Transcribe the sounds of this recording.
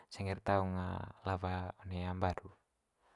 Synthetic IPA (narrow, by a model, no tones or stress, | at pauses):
sɛŋirt̪auŋa̰lavaɔneambadu